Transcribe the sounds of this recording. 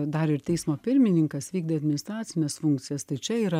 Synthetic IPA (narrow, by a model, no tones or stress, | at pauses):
d̪ɐɾɪɾt̪ʲɛɪsmoːpʲɪɾʲmʲɪnʲɪŋkɐsʋʲiːɡ̚d̪ʲeɐd̪ʲmʲɪnʲɪst̪ɾɑːt͡s̪ʲɪnʲɛsfʊŋk̪t͡s̪ʲɪjɛst̪ɐɪt͡ʃʲɛiːɾɐ